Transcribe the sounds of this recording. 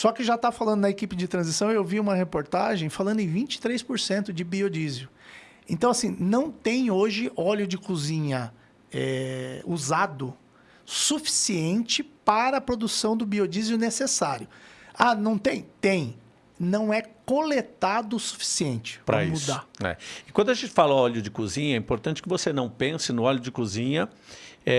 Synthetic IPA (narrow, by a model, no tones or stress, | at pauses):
sɔkɪʒat̪afalɐ̃d̪ʊnɐekipɪd͡ʒɪt̪ɾɐ̃zisɐ̃w̃ewviũmɐhepoɾt̪aʒẽj̃falɐ̃nd̪ʊẽj̃vĩnt͡ʃɪ̥t̪ɾejspoɾsẽnt̪ʊd͡ʒɪbiod͡ʒizjʊ | ẽnt̪ɐ̃w̃asĩnɐ̃w̃t̪ẽj̃oʒɪʔɔʎʊd͡ʒɪkuzĩɲɐ | ɛuzad̪ʊ | sufi̥siẽnt͡ʃɪpaɾɐːpɾod̪usɐ̃w̃d̪ʊbiod͡ʒizjʊnesesaɾjʊanɐ̃w̃t̪ẽj̃t̪ẽj̃ | nɐ̃w̃ɛkolet̪ad̪ʊsu̥fi̥siẽnt͡ʃɪ̥pɾɐ̰imusd̪aɛ̰ɪkwɐ̃nd̪ʊaʒẽnt͡ʃɪ̥falɐɔʎʊd͡ʒɪkuzĩɲɐɛĩpoɾt̪ɐ̃nt͡ʃɪ̥kɪvosenɐ̃w̃pẽsɪnʊɔʎʊd͡ʒɪkuzĩɲɐɛ